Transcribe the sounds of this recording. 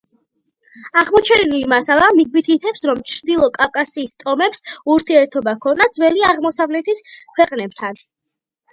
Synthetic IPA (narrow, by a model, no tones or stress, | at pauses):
aʁmɔt͡ʃʰɛnilimasalˠamiɡ̚mit̪ʰit̪ʰɛpsɾɔmt͡ʃʰɾd̪ilˠɔkʼafkʼasiːst̪ʼɔmɛpsuɾt̪ʰiɛɾt̪ʰɔbakʰɔnad̪zwɛliaʁmɔsavlɛt̪ʰiskʰwɛqʼnɛb̚t̪ʰan